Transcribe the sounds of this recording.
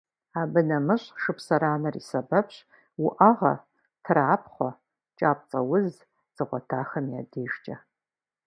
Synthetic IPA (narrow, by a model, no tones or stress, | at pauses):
abɨnɐmɨɕʼʂɨpʰsɐɾaːnɐrḭsɐbɐpʰɕ | wʊʔɐʁɐ̰ | tʰraːpʰχʷɔ | t͡ʃʼaːp̚ʼt͡sʼɐwʊz | z̥ɨʁʷɔtʰaːχɐmjaːdeːʒt͡ʃʼɐ